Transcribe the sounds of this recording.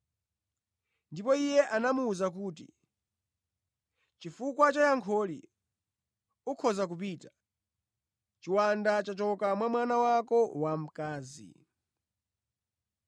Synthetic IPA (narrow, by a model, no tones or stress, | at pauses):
ndipɔijɛʔanamuːzak̬uːtḭ | t͡ʃifukwat͡ʃajaŋkʰɔlḭ | ukʰɔzak̬up̬iːtḁ | t͡ʃiwandat͡ʃat͡ʃɔkamwamwanawakɔwam̩kaːzḭ